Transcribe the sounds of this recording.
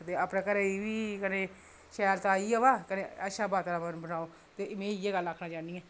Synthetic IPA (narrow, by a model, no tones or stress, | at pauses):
d̪eːaːpɽãːkəɾeiːʋiːkənẽː | ʃɛːɾt̪ãːiːəʋaːkənẽːəʃaːbaːt̪aɾãːmənbənaːoː | t̪eːmẽːieːɡələkʰːnaːd͡ʒaːniɛː